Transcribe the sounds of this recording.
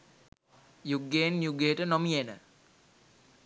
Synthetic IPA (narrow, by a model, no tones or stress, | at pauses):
juɡeːnjuɡejʈənomijenə̰